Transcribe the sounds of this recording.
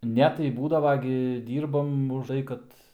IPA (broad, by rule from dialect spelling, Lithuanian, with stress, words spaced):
ˈnʲɛ tɐɪ ˈbuːdɐʋɐ ɡʲɪ ˈdʲiːrbɐm ʊʃˈtɐɪ kɐt